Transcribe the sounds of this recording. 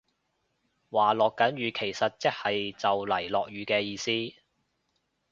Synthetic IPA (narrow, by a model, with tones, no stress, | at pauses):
waː˨lɔː˨kːɐ˨˥nɥyː˨˧kʰe˨˩jsɐ˨t̚t͡sɪ˥k̚hɐ˨jt͡sɐ˨wlɐ˨˩jlɔː˨k̚jɥyː˨˥kɛː˧jiː˧siː˥